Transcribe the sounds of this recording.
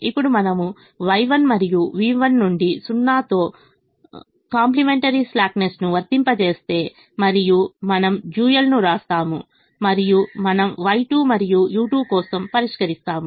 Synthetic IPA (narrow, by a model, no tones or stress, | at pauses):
ipːuɽumɐnɐmu | ʋɐjʋɐnmɐɾijuʋiːʋɐnːuɳɖisunːaːt̪o̞ː | kaːmplimeɳʈɐɾislaːknesnuʋɐɾt̪impɐt͡ʃe̞ːst̪e̞ː | mɐɾijumɐnɐmd͡ʒuːjɐlnuɾaːst̪aːmu | mɐɾijumɐnɐmʋɐjʈuːmɐɾijujuːʈuːbkɔːsɐmpɐɾiʂkɐɾist̪aːmu